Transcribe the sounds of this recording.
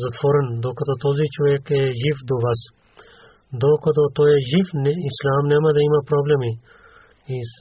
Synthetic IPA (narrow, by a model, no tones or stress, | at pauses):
zɐt̪ʋɔɾɛnd̪okɐd̪ot̪ozit͡ʃɔʋɛkɛʒifd̪ɔʋas | d̪okɐd̪ot̪ojɛʒifnislaːmnɛmɐd̪ɐimɐpɾɔblɛmi | i